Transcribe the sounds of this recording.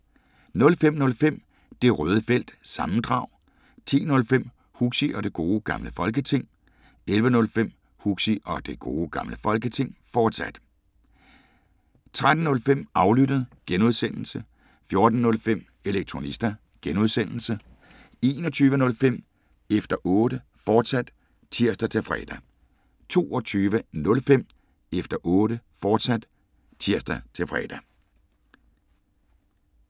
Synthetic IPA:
nɔ̽lfem̰nɔ̽lfem̰ | d̥e̝ʁœːð̞ˠəfel̰d̥sɑ̈mn̩d̥ʁɑ̈ʊ̰ | t͡sʰḭːnɔ̽lfem̰ | huɡ̥siʔɒ̽d̥e̝ɡ̥o̝ːɡ̥ɑ̈mləfɒ̽lɡ̥ət͡sʰe̝ŋ̰ | elʋənɔ̽lfem̰ | huɡ̥siʔɒ̽d̥e̝ɡ̥o̝̰ːɡ̥ɑ̈mləfɒ̽lɡ̥ət͡sʰe̝ŋ̰fɒːd̥sæd̥ | t͡sʰʁad̥n̩ːɔ̽lfem̰ɑ̈ʊlyd̥əð̞̩ˠɡ̥enuðˠsen̰l̩sə | fjo̝ɐd̥n̩ːɔ̽lfem̰ | e̝leɡ̥̚t͡sʰʁo̝nisd̥ɐ | ɡ̥enuð̞ˠsen̰l̩sə | e̝ːnɒt͡sʰyːʋənɔ̽lfem̰ | efd̥ɐʔɔːɾ̥ə | fɒːd̥sæd̥ | t͡sʰiɐ̰sd̥ɐt͡sʰe̝lfʁɛ̰ːd̥æ | t͡sʰo̝̰ːɒt͡sʰyːʋənɔ̽lfem̰ | efd̥ɐʔɔːɾəfɒːd̥sæd̥ | t͡sʰiɐ̰sd̥ɐt͡sʰe̝lfʁɛ̰d̥æ

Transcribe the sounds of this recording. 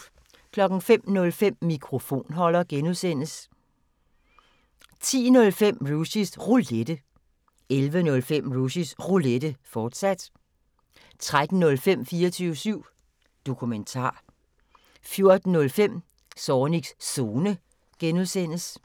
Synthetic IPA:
kʰlɒ̽ɡ̥n̩fem̰nɔ̽lfem̰mikʰʁo̝fo̝̰ːnɦɒ̽lɐɡ̥enuðˠsen̰əs | t͡sʰḭːnɔ̽lfem̰ʁusisʁuled̥ə | elʋənɔ̽lfem̰ʁusisʁuled̥əfɒːd̥sæd̥ | t͡sʰʁad̥n̩ːɔ̽lfem̰fiːɐt͡sʰyːʊsyʊ̰ | d̥o̝kʰument͡sʰɑ̰̈ː | fjo̝ɐd̥n̩ːɔ̽lfem̰ | sɒːniɡ̥sso̝ːnə | ɡ̥enuðˠsen̰əs

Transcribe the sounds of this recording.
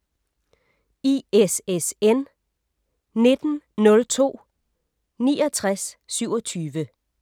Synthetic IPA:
iesesen | ne̝d̥n̩nɔ̽lt͡sʰo̝̰ː | niːɒt͡sʰʁasːyʊɒ̽t͡sʰyːʋə

